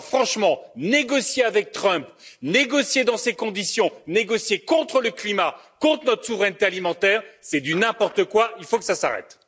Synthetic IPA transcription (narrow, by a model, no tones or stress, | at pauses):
fχɑ̃ʃmɑ̃neɡɔsjeavɛk̚t̪χœ̃pneɡɔsjed̪ɑ̃sekɔ̃d̪isjɔ̃neɡɔsjekɔ̃t̪χələklima | kɔ̃t̪χənɔt̪χə̥suvʁɛnt̪ealimɑ̃t̪ɛːʁsɛd̪ynɛ̃pɔʁt̪əkwailfokə̥sasaʁɛ̰t̪